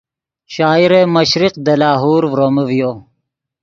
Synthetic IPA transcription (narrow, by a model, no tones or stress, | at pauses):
ʃaːiɾemɐɕɾiqd̪ɐlaːɦuːɾʋɾomɐvijoː